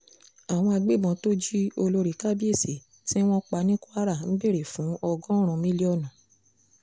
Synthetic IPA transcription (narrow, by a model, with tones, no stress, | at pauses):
a˨w̃ɔ̃˧a˧ɡ͡be˦˨mɔ̃˨˧to˦d͡ʒi˦o˧lo˧ɾi˨ka˦bi˦e˦˨se˨ | ti˦w̃ɔ̃˦k͡pa˧nĩ˦ku˦a˦ɾa˦˨n̩˦be˦˨ɾe˨fũ˨˦ɔ˧ɡɔ̃˦ɾ̃ɔ̃˧mĩ˦li˦ɔ˦˨nɔ̃˨